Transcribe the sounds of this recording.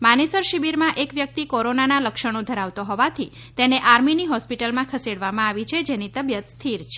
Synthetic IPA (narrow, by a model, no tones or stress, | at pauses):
manesəɾʃibiɾmãʔekʋjək̚t̪ikɔɾonanaləkʃəɽ̃õd̪ʱəɾaʋt̪oɦɔʋat̪ʰi | t̪eneʔaɾminiɦɔspiʈəlmãkʰəseɽʋamãaʋit͡ʃʰed͡ʒenit̪əbjət̪st̪ʰiɾt͡ʃʰe̥